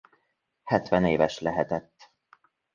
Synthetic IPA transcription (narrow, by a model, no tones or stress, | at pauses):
hɛt̪ʋɛneːvɛʃlɛɦɛt̪ɛt̪ː